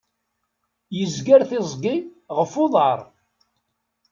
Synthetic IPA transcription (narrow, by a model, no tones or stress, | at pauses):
jəzɡæɾθɪzˤɡi | ʁəfʊðˤɑɾˤ